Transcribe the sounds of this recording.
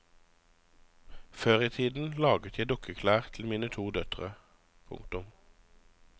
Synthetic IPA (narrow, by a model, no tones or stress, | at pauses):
føːʁiːt̪ʰiːd̪n̩lɑːɡət̪ʰjæɪd̪ʊkʰəkʰlæːʁt̪ʰl̩miːnət̪ʰuːd̪œt̪ʁə̰ | pʰʊ̰ŋ̚t̪ʊm